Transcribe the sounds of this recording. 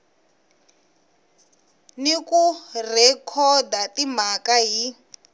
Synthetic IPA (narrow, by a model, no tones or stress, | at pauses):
nikurɛkʰɔdatim̤akaɦi